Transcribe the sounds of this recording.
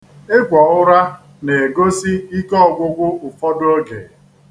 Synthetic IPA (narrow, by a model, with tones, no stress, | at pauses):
e˦kʷɔ˨ʊ˦ɾa˦ | ne˨e˨ɡo˦si˦i˦kɔ˦˨ɡʷʊ˦ɡʷʊ˦ʊ˨fɔ˦dʊ˦o˦ɡḛ˨